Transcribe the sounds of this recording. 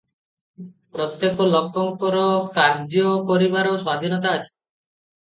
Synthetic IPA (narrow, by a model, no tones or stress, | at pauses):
pɾot̪jekolɔkʰːɔŋkoɾokaɾd͡ʒopoɾibaɾoswad̪ʱinɔt̪aat͡ɕʰe̥